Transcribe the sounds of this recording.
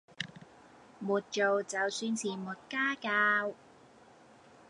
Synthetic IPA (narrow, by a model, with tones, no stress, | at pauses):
muː˨t̚t͡ʃo˨wt͡sɐ˨˧wsyː˧nsʰiː˨˩mu˨˩t̚kaː˥kaː˧w